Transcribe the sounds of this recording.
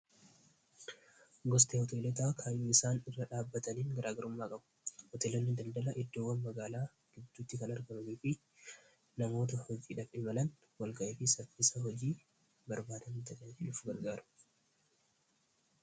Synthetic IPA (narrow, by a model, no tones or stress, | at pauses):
ɡɔst̪ʼeːhɔt̪e̞ːlɔt̪aːkʰaːjuːɪsaːnɪrːɐᶑaːbːɐt̪ɐniːŋɡɐɾʔaːɡɐɾʊmːaːkʼɐbʊ̥hɔt̪eːlɔnːɪd̪ɐnd̪ɐlɐʔɪd̪ːoːwːɐnmɐɡaːlaː | ɡ̥ɪd̪ːuːt̪ːɪkɐnɐɾɡɐmɐniːfɪ | nɐmo̞ːt̪̬ɐhɔd͡ʒiːᶑɐfɪmɐlɐn | wɐlɡɐʔeːfɪsɐfɪsɐɦɔd͡ʒiː | bɐɾbaːt̪ɐnt̪ɐdɐd͡ʒɪᶑʊfʊɡɐɾɡaːɾʊ̥